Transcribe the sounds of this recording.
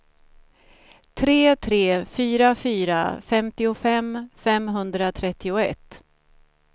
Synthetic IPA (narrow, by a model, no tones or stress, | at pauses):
t̪ʰɾeːt̪ʰɾeːfyːɾafyːɾa̰fɛmt̪ɪʊfɛmfɛmɦɵnd̪ɾat̪ʰɾɛt̪ːɪʊɛ̰t̪ː